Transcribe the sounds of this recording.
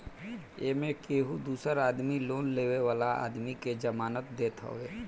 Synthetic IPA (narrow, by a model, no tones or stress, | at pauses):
eːmẽkeːɦud̪uːsəɾaːd̪miloːnleːweʋaːlaa̰ːd̪miked͡ʒəmaːnət̪̚d̪eːt̪ɦo̰ːɡeː